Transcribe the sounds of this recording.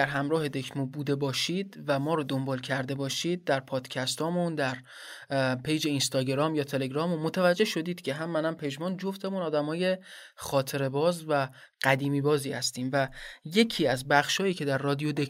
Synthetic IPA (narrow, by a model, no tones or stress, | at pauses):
æɾɦæmɾɒːhe̞d̪e̞kʰmubuːd̪e̞bɒːʃiːd̪væmɒːɾɔd̪o̞mbɒːlcʰæɾd̪e̞bɒːʃiːd̪̚d̪æɾpʰɒːd̪̥cʰæst̪ʰɒːmund̪æɾ | pʰe̞jd͡ʒe̞inst̪ɒːɟeɾɒːmjɒːt̪ʰe̞le̞ɡɾɒːmunmot̪ʰævæd͡ʒːe̞hʃo̞d̪iːd̪̥cʰe̞ɦæmːænæmpʰe̞d͡ʒmɔnd͡ʒoft̪ʰe̞munɒːd̪æmɒːje̞ | χɒːt̪ʰe̞ɾe̞bɒːzvæ | ɢ̥æd̪iːmiːbɒːziːhæst̪iːmvæje̞cʰiːæzbæχʃhɒːjiːcʰe̞d̪æɾːɒːd̪ijod̪e